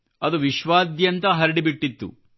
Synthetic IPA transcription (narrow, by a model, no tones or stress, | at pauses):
ɐd̪uʋiʃʋaːd̪jɐnt̪ɐɦɐɾiɽibiʈːit̪ːṵ